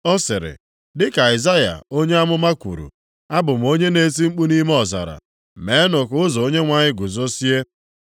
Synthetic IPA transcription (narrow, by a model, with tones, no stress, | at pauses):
ɔ˦sɪ˨ɾɪ̰˨ | dɪ˦ka˨ɪ˨za˦ja̰˨o˦ɲe˦a˦mʊ˦ma˦kʷṵ˨ɾṵ˨ | a˦bʊ˨m̩˨o˦ɲe˦ne˦si˦ŋ͡m̩˦k͡pu˦ni˦m˦ɔ˨za̰˨ɾa̰˨ | me˨˦nʊ˨kʊ˦zɔ˨o˦ɲe˦ŋʷa˨ɲɪ˦ɡʊ˨zo˦si˦e˦